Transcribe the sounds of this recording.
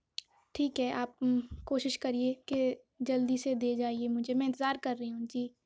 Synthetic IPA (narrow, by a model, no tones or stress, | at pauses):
ʈʰiːkɦɛʔaːp̚koːʃɪʃkɐɾieke | d͡ʒɐld̪ised̪eːd͡ʒaːiemʊd͡ʒʱemɛ̃ɪnt̪ɪzaːɾkɐɾːɐɦiɦũd͡ʒiː